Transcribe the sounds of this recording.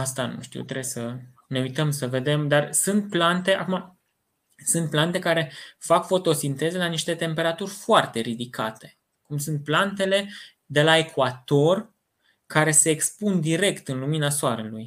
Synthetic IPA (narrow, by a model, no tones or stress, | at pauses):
ast̪anṵʃt̪ḭwt̪ɾebjsə | ne̞ujt̪əmsəve̞d̪e̞md̪arsɨnt̪̚plant̪e̞a̰kuma | sɨnt̪̚plant̪e̞kaɾe̞fakfo̞t̪o̞sint̪e̞ze̞laniʃt̪e̞t̪e̞mpe̞ɾat̪urʲfoart̪e̞ɾid̪ikʰa̰t̪e̞̥ | kumsunt̪̚plant̪e̞le̞ | d̪e̞lae̞kʰuat̪o̞r | kaɾe̞se̞ːkspund̪iɾe̞kt̪ɨnluminasoaɾeluj